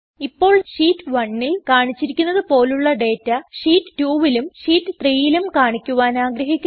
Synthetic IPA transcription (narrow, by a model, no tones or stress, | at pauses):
ipːo̞ːɭʂiːtːʋɐɳːilkaːɳit͡ɕːiɾikʲːunːɐðɨpo̞ːluɭːɐɖe̞ːtːɐʂiːtːɨ̥tuːʋilumʂiːtːɨt̪riːjilumkaːɳikʲːuʋaːnaːɡɾɐɦikʲːu